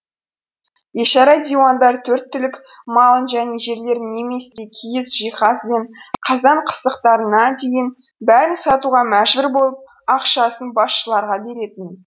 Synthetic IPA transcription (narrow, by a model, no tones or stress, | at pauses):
je̞ʃɑɾɑjd̪ʲijwɑnd̪ɑɾt̪ʰɵɾt̪ːʏlɪk | mɑlˠənʒæne̞ʒe̞ɾle̞ɾɪnːe̞me̞sɪɡ̪ekʲʰijɪsʒijχɑsbe̞nqʰɑzɑɴqʰə̥st̪əqt̪ɑɾənɑd̪e̞jɪn | bæɾɪnsɑt̪uʁɑmæʒbɪɾbo̞lˠəp̚ | ɑqʃɑsənbɑsʃəlˠɑɾʁɑbe̞ɾe̞t̪ɪn